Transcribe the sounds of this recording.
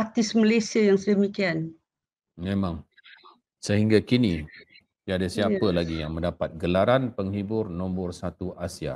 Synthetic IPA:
at̪ɪsməlajsiajaŋsədəmikian | mẽmãŋ | səɦiŋɡakini | t̪iadasiapəlaɡijaŋmə̃ndapat̪̚ɡəlaɾanpəŋhibʊrnɔmbɔrsat̪uʔasia̰

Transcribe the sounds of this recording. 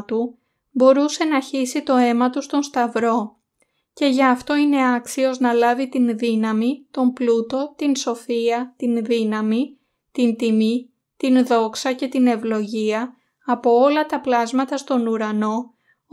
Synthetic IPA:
t̪u | bo̞ɾuse̞nɐçisit̪o̞e̞mɐt̪ust̪o̞nst̪ɐvɾo̞ | ce̞ʝɐːft̪o̞ine̞ɐksio̞znɐlɐvit̪inðinɐmit̪o̞mplut̪o̞t̪inso̞fiɐt̪inðinɐmi | t̪int̪imi | t̪inðo̞ksɐce̞t̪ine̞vlo̞ʝiɐː | po̞olɐt̪ɐplɐzmɐt̪ɐst̪o̞nuɾɐno̞

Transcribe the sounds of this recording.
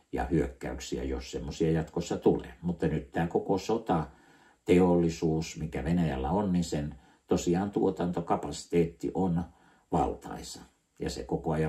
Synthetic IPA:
jɑ̰hyøkːæ̰yksiæ̰jo̰ssemːosiɑjɑt̪kosːɑt̪ulḛːmut̪ːɑnyt̪t̪æːkokosot̪ɑ | t̪eolːisuːsmikæʋenæjælːæonninsen | t̪osiɑːnt̪uot̪ɑnt̪okɑpɑsi̥t̪eːt̪ːḭʔon | ʋɑ̰lt̪ɑ̰isɑ̥ | jɑ̰sḛkokoɑjɑ

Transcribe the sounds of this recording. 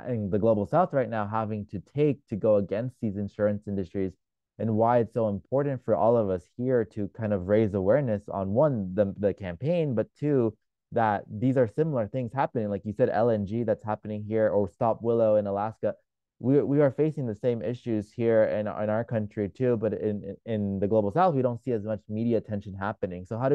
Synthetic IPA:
ɪ̃nðɨɡloʊbl̩ˠsaʊθɹaɪtⁿnaʊɦævɪ̃ŋtʰɨtʰeɪk̚tʰɨɡoʊəɡɛ̃nst̪̚ðizɨ̃nʃʊɹɨ̃nsɪ̃ndɨstɹ̥iz | ɨ̃nwaɪɨtsoʊə̃mpʰɔɹʔn̩tfə˞ʔɔlˠʌvʌshiɹɾɨkʰãɪ̃ndʌvɹeɪzəwɛɹnɨsn̩wʌ̃nðɨðɨkʰæ̃mpʰẽɪ̃nbʌtʰʉ | ðət̪̚ðizə˞sɪ̃ml̩ˠə˞θɪ̃ŋz̥hæpɨnɪ̃ŋlaɪkjɨsɛɾɛ̰lˠɛ̃nd͡ʒiðætshæpɨnɪ̃ŋɦiɹə˞stɑpwɪlˠoʊɨ̃nəlæskɨ | wiwiə˞feɪsɪ̃ŋðɨsẽɪ̃mɪʃʉz̥hiɹɪ̃nɪ̰̃ñaʊə˞kʰʌ̃nt͡ʃɹ̥itʰʉbʌɾɪ̃nɪ̃nðɨɡloʊbl̩ˠsælˠfwiɾõʊ̃ntsiɨzmʌt͡ʃmiɾiɨtʰɛ̃nʃɨ̃nɦæpɨnɪ̃ŋsoʊɦaʊɾ

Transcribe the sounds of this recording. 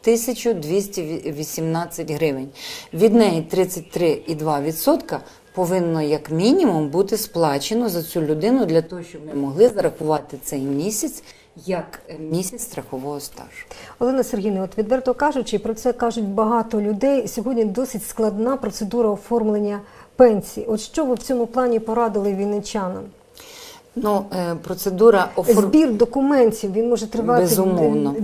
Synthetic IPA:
t̪ɪsʲɐt͡ʃʊd̪ʋʲisʲtʲiʋʲisʲimnɑt͡sʲːɐtʲɦɾɪʋɪnʲʋʲid̪nɛjit̪ɾɪt͡sʲːɐt̚ʲt̪ɾɪid̪ʋɑʋʲid̪sɔt̪kɐ | pɔʋɪnːɔjɐkmʲinʲimumbut̪ɪsplˠɑt͡ʃenɔzɐt͡sʲulʲʊd̪ɪnʊd̪lʲɐt̪ɔɦɔʃt͡ʃɔbmɪmɔɦlˠɪzɐɾɐxʊʋɑt̪ɪt̪sɛjmʲisʲɐt͡sʲ | jɐkmʲisʲɐt͡sʲst̪ɾɐxɔʋɔɦɔst̪ɑ̰ʒ̥ʊ̥ɔlˠɛnɐserɦʲinɪɔt̪ʋʲid̪ʋɛrt̪ɔɔkɑʒʊt͡ʃɪpɾɔt̪sɛkɑʒʊt̚ʲbɐɦɑt̪ɔlʲʊd̪ɛjisʲɔɦɔdʲnʲid̪ɔsʲɪtʲsklˠɐd̪nɑpɾɔt̪sed̪uɾɐɔfɔrmlˠenʲːɐpɛnʲsʲijiɔt̪ʃt͡ʃɔʋɪwt͡sʲɔmʊplˠɑnʲipɔɾɑd̪ɪlˠɪʋʲijnɪt͡ʃʲɑnɐ̰m | nupɾɔt̪sed̪uɾɐɔzʲbʲird̪ɔkʊmɛnʲtʲiwʋinmɔʒɛt̪ɾɪʋɑtbeɪzʊmɔwnɔ

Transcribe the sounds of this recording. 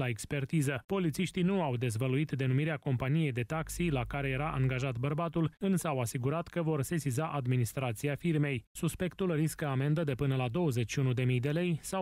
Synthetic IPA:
aekspe̞rt̪izəpo̞lit̪siʃt̪inuawd̪e̞zvəluit̪d̪e̞numiɾeako̞mpanije̞jd̪e̞t̪aksilakaɾe̞je̞ɾaʔaŋɡaʒat̪bərbat̪ulɨnsəawasiɡuɾat̪kəvo̞rse̞sizaʔad̪minist̪ɾat̪siafirme̞jsuspe̞kt̪ulriskəame̞nd̪əd̪e̞pɨnəlad̪o̞wəze̞t͡ʃʃiunud̪e̞mijd̪e̞le̞jsa

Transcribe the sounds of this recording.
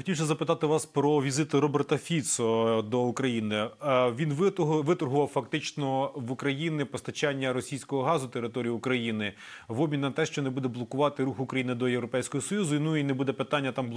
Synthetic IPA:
xɔ̥tʲiwsʲɐzɐpɪt̪ɑt̪ɪʋɑspɾɔʋʲizɪt̪ʊɾɔbert̪ɐfʲit̪sɔd̪ɔukɾɐjinɪʋʲinʋʋɪt̪ɔrɦʊʋɑwfɐkt̪ɪt͡ʃnɔʋukɾɐjinɪpɔst̪ɐt͡ʃanʲːɐɾɔsʲijsʲkɔɦɔɦɑzʊt̪eɾɪt̪ɔɾʲijiukɾɐjinɪ | ʋɔbʲmʲinnɐt̪ɛʃt͡ʃɔnebud̪ɛblˠɔkʊʋɑt̪ɪɾuxʊkɾɐjinɪd̪ɔjewɾɔpɛjsʲkɔɦɔsɔjuzʊnuinebud̪ɛpɪt̪ɑnʲːɐt̪ɑmbˠ

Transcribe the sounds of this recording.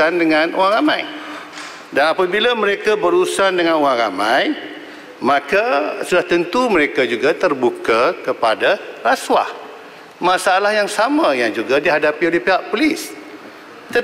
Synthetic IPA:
andəŋãnoaŋramãj | danapabilamə̃ɾekabəɾusandəŋãnoaŋra̰mãj | mãkasudaht̪ənt̪uməɾekad͡ʒuɡat̪ərbukakəpadaraswa̰h | mãsaalahjaŋsamãjaŋd͡ʒuɡadiɦadapiolɛhpiɦaʔpolis | t̪ə

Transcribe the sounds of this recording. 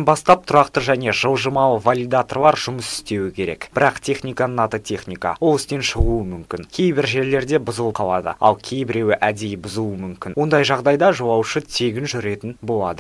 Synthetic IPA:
nbɑst̪ɑp̚t̪ʰʊɾɑqt̪əʒæne̞ʒəlˠʒəmɑlˠəvalʲijd̪at̪orlˠɑɾʒʊməsɪ̥st̪e̞wɪkʲʰe̞ɾe̞kbɪɾɑqt̪ʰe̞χnʲijkanəɴɑt̪ət̪ʰʲe̞χnijka̰wo̞lˠɪst̪e̞nʃəʁuəmʏmkʲɪnkʲʰejbɪɾʒe̞ɾle̞ɾd̪e̞bʊzəlˠqʰɑlˠɑd̪ə̰ɑ̰lˠkʲʰejbɪɾe̞wɪʔæd̪e̞jɪbʊzuəmʏmkʲɪnwo̞nd̪ɑjʒɑʁd̪ɑjd̪ɑʒowɑwʃət̪ʰe̞ɡʲɪnʒʏɾe̞t̪ɪnbo̞lˠɑd̪ə

